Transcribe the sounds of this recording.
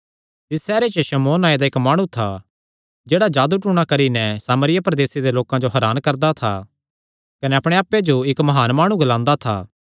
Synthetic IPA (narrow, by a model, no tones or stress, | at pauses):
t̪ɪsːɛːɾet͡ʃəʃɐmoːnaːed̪aɪkmaːɽ̃ũt̪ʰa | d͡ʒeːɽad͡ʒaːd̪uʈuːɽ̃akɐɾinɛsaːməɾɪjapɾɐd̪eːsed̪eloːkãd͡ʒoɦɐɾaːnkɐɾd̪at̪ʰa̰ | kɐnɛɐpɽ̃eaːpːed͡ʒoɪkmɐɦaːnmaːɽ̃ũɡɐlãːnd̪at̪ʰa̰ː